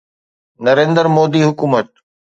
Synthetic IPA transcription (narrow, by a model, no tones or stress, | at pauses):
nɐɾẽːnd̪əɾmoːd̪iɦʊkuːmət̪̚